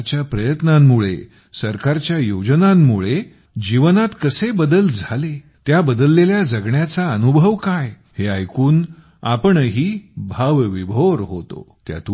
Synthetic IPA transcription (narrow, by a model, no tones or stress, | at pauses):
t͡ɕjapɾəjət̪namːuɭḛ | səɾkaɾt͡ɕjajod͡ʑnamːuɭe | d͡ʑiʋənat̪kəsebəd̪əld͡zʱale | t̪jabəd̪əlːeljad͡zəɡɳjat͡saənubʱəʋkaj | heajkuːn | apəɳɦiːbʱaʋʋibʱoɾɦot̪o̰t̪ja̰t̪u